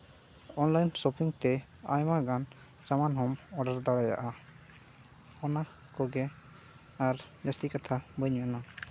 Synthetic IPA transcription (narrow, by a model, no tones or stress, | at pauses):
ɔnlajnsɔpiŋt̪ɛ | a̰jmaɡan | d͡ʒamanɦɔmɔɖaɾd̪aɽaja̰ʔa | ɔna | kɔɡɛ | aɾnɛst̪ikat̪ʰabəjɲana